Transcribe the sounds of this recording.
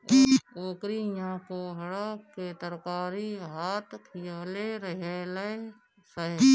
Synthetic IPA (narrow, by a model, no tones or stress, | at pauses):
oːkɾijãkoɦɐɽakkːet̪əɾkaːɾiɦaːt̪kʰijaːleɾəɦelee | səɦ